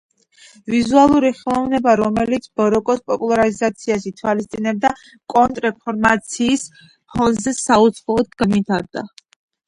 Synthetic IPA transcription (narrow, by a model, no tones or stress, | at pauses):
vizualˠuɾiχɛlˠɔvnɛbaɾɔmɛlit̪sʰbɔɾɔkʼɔspʼɔpʼulˠaaɾizat̪sʰiaʃ̬it̪ʰwalist̪sʼinɛb̚d̪a | kʼɔnt̪ʼɾɛpʰɔɾmat̪sʰiːs | pʰɔnzɛsaut̪sʰχɔɔd̪̚ɡamit̪ʰaɾd̪a̰